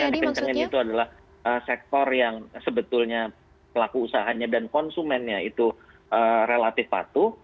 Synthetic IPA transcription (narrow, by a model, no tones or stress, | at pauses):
jasikət͡ʃəŋɪnit̪uadalah | ʔəsɛk̚t̪ɔrjaŋsəbət̪ulɲa | pəlakuːsaɦaɲadankɔnsumɛnɲait̪u | ʔərelat̪ɪfpa̰t̪u